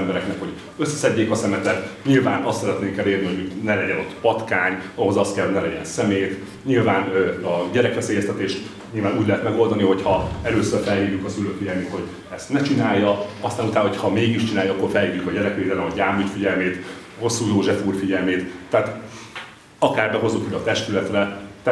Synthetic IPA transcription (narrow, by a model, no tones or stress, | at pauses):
mbɛɾɛknɛkho̞ɟ | øsːɛsɛɟːeːkɒsɛmɛt̪ɛt̪ɲilvaːnɒst̪sɛɾɛt̪neːŋkɛleːrniɦo̞ɟmyknɛlɛɟɛnot̪ːpɒt̪kaːɲɒɦo̞zɒst̪kɛlho̞ɟnɛlɛɟɛ̰nsɛmeːt̪ | ɲilvaːnɒɟɛɾɛkʋɛseːjɛst̪ɛt̪eːʃt̪ | ɲilvaːnuːɟlɛɦɛt̪mɛɡo̞ld̪ɒniɦo̞chɒɛløːsørfɛlɦiːɾjykɒsyløːkfiɟɛlmeːt̪ho̞ɟ | ɛst̪nɛt͡ʃinaːjːɒɒst̪aːnut̪aːnɦochɒmeːɡiʃt͡ʃinaːjɒɒkːo̞rfɛlhiːrjykɒɟɛɾɛkʋeːd̪ɛlɛmɒɟaːmyt̪fiɟɛlmeːt̪ | ho̞sːuːjoːʒɛfuːrfiɟɛlmeːt̪ːɛːt̪ | ɒkaːrbɛɦo̞zukid̪ɒt̪ɛʃt̪ylɛt̪rɛt̪ː